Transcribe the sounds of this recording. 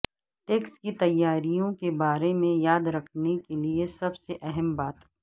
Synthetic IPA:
ʈeːkskit̪ɐjːaːɾijõkebaːɾemẽjaːd̪ɾɐkʰnekeliesɐbseʔɛɦɛmbaːt̪ɦɛ

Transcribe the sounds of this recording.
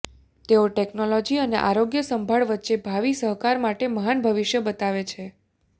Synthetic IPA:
t̪eoʈeknolɔd͡ʒiənḛʔaɾoɡjəsəmbʱaɭʋət̪ːʃebʱaʋisəɦkaɾmaʈeməɦanbʱəʋiʃjəbət̪aʋet͡ʃʰe

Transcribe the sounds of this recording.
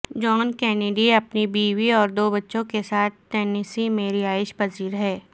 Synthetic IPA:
d͡ʒɔːnkɛːneɖiɐpnibiːʋiɔːɾd̪oːbɐtːʃõkesaːt̪̚ʰʈ̪ɛːnɪsimeːɾiaːɪʃpɐziːɾɦɛː

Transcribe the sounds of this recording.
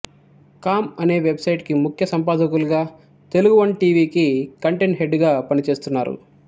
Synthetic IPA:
kaːmɐne̞ːʋe̞bsɐjʈkimukʰjɐsɐmpaːd̪ɐkuluɡaː | t̪e̞luɡuʋɐɳɖʈiːʋiːkikɐɳʈeɳʈɦe̞ɖɡaːpɐnit͡ʃe̞ːst̪unːa̰ːɾṵ

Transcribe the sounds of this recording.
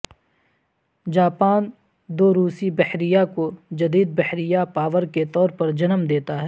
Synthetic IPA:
d͡ʒaːpaːn | d̪oːɾuːsibɛhɾijakod͡ʒɐd̪iːd̪̚bɛhɾijapaːʋəɾket̪ɔːɾpɐɾd͡ʒɐnəmd̪eːt̪aɦɛː

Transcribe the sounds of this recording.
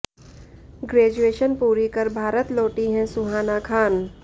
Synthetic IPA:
ɡɾeːd͡ʒueːʃənpuːɾikəɾbʱaːɾət̪loːʈiɦɛ̃sʊɦaːnakʰaːn

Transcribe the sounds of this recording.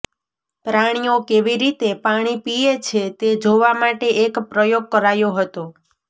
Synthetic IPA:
pɾaɽ̃iokeʋiɾit̪epaɽ̃ipiet͡ʃʰet̪ed͡ʒoʋamaʈeʔekpɾəjoɡ̚kəɾajoɦət̪o

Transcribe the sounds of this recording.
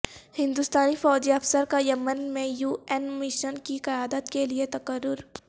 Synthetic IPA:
hɪ̃nd̪ʊst̪aːnifɔːd͡ʒiɐfsəɾkajɐmənmẽjuːenmɪʃənkiqɐjaːd̪ət̪keliet̪ɐkəɾːʊɾ

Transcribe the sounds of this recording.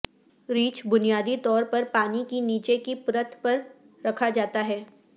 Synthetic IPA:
ɾiːt͡ʃbʊnijaːd̪it̪ɔːɾpɐɾpaːnikiniːt͡ʃekipɾət̪ʰpɐɾː | ɐkʰad͡ʒaːt̪aɦɛː

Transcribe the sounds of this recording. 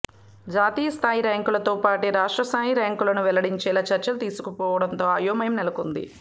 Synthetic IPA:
d͡ʒaːt̪iːjɐst̪ʰaːjiɾaːŋkulɐt̪oːpaːʈeɾaːʂʈɾɐst̪ʰaːjiɾaːŋkulɐnuʋɛlɐɽiɲt͡ʃɛːlɐt͡ʃɐɾt͡ʃɐlt̪iːsu̥kupɔːʋɐɽɐnt̪oːɐjoːmɐjɐmnɛlɐkund̪ḭ

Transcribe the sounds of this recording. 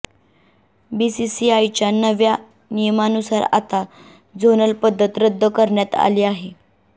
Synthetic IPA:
bisisiajt͡ɕjanəʋja | nijəmanusaɾa̰t̪a | d͡zonəlpəd̪ʱːət̪ɾəd̪ʱːəkəɾɳjat̪a̰liːaɦe

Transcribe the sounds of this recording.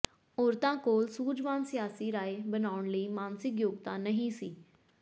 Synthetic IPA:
oːɾt̪ãːkoːlsuːd͡ʒmaːnsɪjaːsiːɾaːeːbənaːʊɳləiːmaːnsɪkjoːɡt̪ãːnəɦĩːsiː

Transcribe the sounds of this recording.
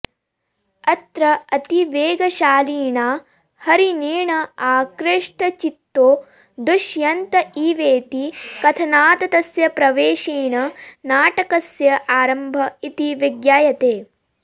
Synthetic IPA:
ɐt̪ɾɐɐt̪iʋeːɡɐʃaːliːɳaː | hɐɾineːɳɐaːkɾeʂʈɐt͡ʃit̪ːoː | d̪uʃjɐnt̪ɐʔiːʋeːt̪ikɐt̪ʰɐnaːt̪ɐt̪ɐsjɐpɾɐʋeːʃiːɳɐnaːʈɐkɐsjɐʔaːɾɐmbʱɐit̪iʋɐɡjaːjɐt̪eː

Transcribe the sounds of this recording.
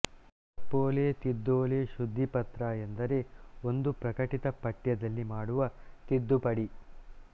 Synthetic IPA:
ɐpːoːleːt̪id̪ːoːleːʃud̪ʱːipɐt̪ɾaːjend̪ɐɾe̞o̞nd̪upɾɐkɐʈit̪ɐpɐʈjɐd̪ɐlːimaːɽuʋɐt̪id̪ːupɐɽi

